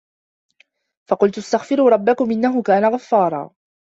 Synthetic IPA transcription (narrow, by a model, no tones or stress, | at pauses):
fɑqʊlt̪ʔast̪axfɪɾuːɾˤɑbːakʊmʔɪnːaɦʊkaːnaɣafːɑːɾˤɑ̰ː